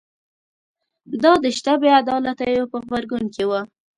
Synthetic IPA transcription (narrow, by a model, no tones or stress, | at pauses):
d̪ɑd̪əʃt̪abead̪ɑlat̪əjopəɣbaɾɡunkewa